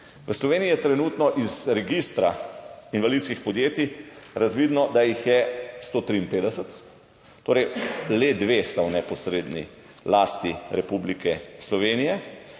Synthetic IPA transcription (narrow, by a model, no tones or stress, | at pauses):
ʋəslɔʋeːniːjɛt̪ɾɛnuːt̪nɔʔizɾɛɡist̪ɾa̰inʋalit̪skixpɔd̪jeːt̪iɾazʋiːd̪nɔd̪ajixjɛst̪oːt̪ɾiːnpeːd̪ɛsət̪ː | oːɾɛjled̪ʋest̪awnɛpɔsɾeːd̪nḭ | laːst̪iɾɛpublikɛslɔʋeːnijɛ